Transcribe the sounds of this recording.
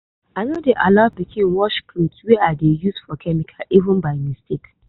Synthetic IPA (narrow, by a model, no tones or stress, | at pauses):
anodeʔalat̚bikʰĩnwɔʃkʰlutswɛadejusfɔkʰɛmikʰaʔivə̃nbaɪmistek